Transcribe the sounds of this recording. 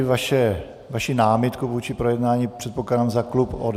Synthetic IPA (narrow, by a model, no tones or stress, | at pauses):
vaʃɛ | vaʃinaːmɪt̪kuvuːt͡ʃɪpɾojɛdnaːɲipr̝̥ɛt̪̚poklaːdamzaklupo̰d